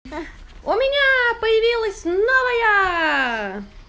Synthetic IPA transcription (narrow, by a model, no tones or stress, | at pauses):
omʲɪnʲæpɐjɐʋʲiːlˠɐsʲnoʋɐjɛ